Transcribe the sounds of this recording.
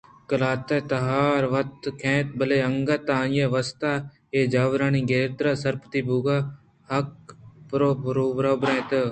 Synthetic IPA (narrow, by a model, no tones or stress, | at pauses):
kəlaːt̪eːt̪əɦaːɾʋət̪kʰẽːt̪̚bəleːəŋɡaːt̪aːjẽːʋəst̪aː | eːd͡ʒaːʋɾaːnĩːɡeːɾt̪ɾaːsəɾpə̥t̪iːbuːɡaː | hɐk̚pɾoːbɾoːbɾaːbɾẽːt̪ə